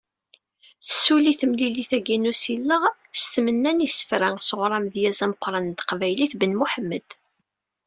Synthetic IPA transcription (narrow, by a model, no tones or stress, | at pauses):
θəsuliθəmliliθæɡænusilːəʁ | st̪mənːænisə̥fɾæŋsəʁɾˤɑmðjæzæməqʷːɾˤɑnt̪qvæjliθbənmuħəmːəd̪̥